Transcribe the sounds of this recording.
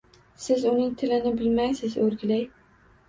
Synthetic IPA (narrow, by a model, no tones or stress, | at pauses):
sɪzʊnɪŋt̪ʰɪlɪnɪbɪlmajsɪzɵɾɡʲɪlaj